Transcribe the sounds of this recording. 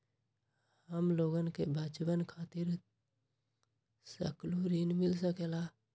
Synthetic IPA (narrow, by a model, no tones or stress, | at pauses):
həmloːɡənkebʱaːt͡ʃbənkʰaːt̪ɪɾ | sə̰kluɾiːnmɪlsəkela